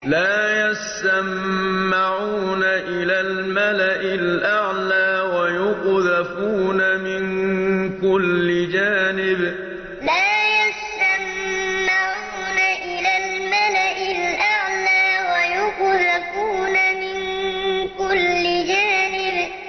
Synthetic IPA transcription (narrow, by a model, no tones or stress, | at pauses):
laːjast̪amːaʕuːnaʔɪlaːlmalaʔɪlʔaʕlaːwajʊqðafuːnamɪnkʊlːɪd͡ʒaːnɪb | laːjast̪amː | aʕuːnaʔɪlaːlmalaʔɪlʔaʕlaːwajʊqðafuːnamɪnkʊlːɪd͡ʒaːnɪb